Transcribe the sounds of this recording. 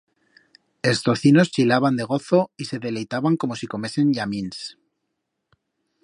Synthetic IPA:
e̞st̪o̞θino̞st͡ʃilaβand̪e̞ɣ̞o̞θo̞ise̞ðe̞le̞jt̪aβaŋko̞mo̞siko̞me̞se̞nʎamĩns

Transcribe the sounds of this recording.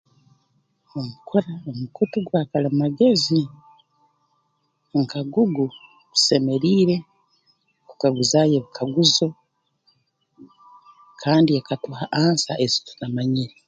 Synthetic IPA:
omukʰoɾaomukutuɡwaːkalammaɡe̞zi | ŋkaɡuɡu | βu̥se̞me̞ɾiːɾe̞ | ku̥kaɡuzajeβukʰaɡuzo̞ | kʰaːndiakatuhaʔaːnsaʔezi̥tunamaɲiɾi

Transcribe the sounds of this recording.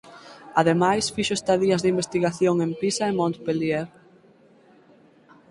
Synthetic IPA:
aðemajsfiʃʊest̪aðiɐzðimbest̪iɣaθjoŋempisaemõnt̪pelieɾ

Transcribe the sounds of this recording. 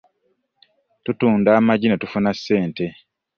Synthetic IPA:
tutuːndaːmaɟinetufunasːe̞ːnte̞

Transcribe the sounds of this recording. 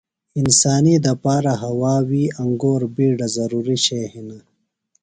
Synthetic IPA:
insaːnid̪ɐpaːɾaɦɐwaːwiɐŋɡoːɾbiːɖazɐɾuːɾiɕeːhina

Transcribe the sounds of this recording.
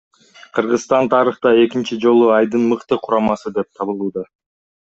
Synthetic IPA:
qʰɯɾʁɯzst̪ɑnt̪ʰɑɾɯχt̪ɑe̞kint͡ʃid͡ʒo̞lˠuɑjd̪ɯnmɯqt̪ɯqʰuɾɑmɑsɯd̪e̞p̚t̪ʰɑβɯlˠuːd̪ɑ

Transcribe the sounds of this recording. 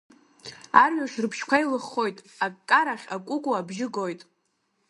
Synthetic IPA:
arɥaʃrɨpʰʃkʷʰaijlɨχːo̞jtʼakkʼːaɾaχʲakʷʼʊkʼuabʒɪɡo̞jtʼ

